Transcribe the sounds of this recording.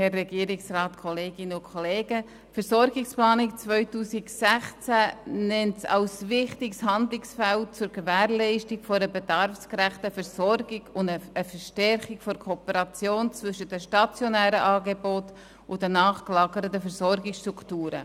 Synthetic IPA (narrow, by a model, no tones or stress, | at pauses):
hɛrːɛɡiəɾɪksrɑːtkʰɔleːɡɪnʊnkʰχɔleːɡə | fəɾsɔɾɡɪksplɑːnɪk̚t͡sʋœʏtuːsɪksæχt͡sænɛntsɑ̰lsvɪχtɪkshɑndlɪksfælt͡sʊɾɡəvæːɾlɛɪʃtɪkfɔɾəbedɑɾfskɾæχtəfɛɾsɔɾɡ̥ɪɡʊndəəfəɾʃtɛɾχɪkfɔɾkʰoːpəɾɑt͡sjoːnt͡svʏʃət̚dəʃtɑt͡sjɔnæːɾəʔɑːɡebɔt | ʊdənɑːχklɑːɡəɾətəfɛɾsɔɾɡɪksʃtɾuktuːɾə̰